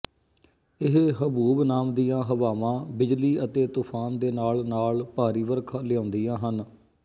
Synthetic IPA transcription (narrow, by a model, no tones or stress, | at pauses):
ɪɦɦəbuːbnaːmd̪ijãːɦəʋaːʋãːbɪd͡ʒliːət̪eːt̪ʊpʰaːnd̪eːnaːlnaːlpaːɾiːʋəɾkʰːlɪjãːnd̪iːjãːɦən